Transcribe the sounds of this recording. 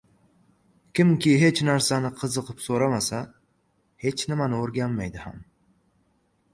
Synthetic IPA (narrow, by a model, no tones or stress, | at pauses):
kʲɪmkʲʰɪɦe̞t͡ʃnaɾsanɪqʰɨzɨqʰɨpsoɾamasa | he̞t͡ʃnɪmanɪoɾɡʲanmajd̪ɪha̰m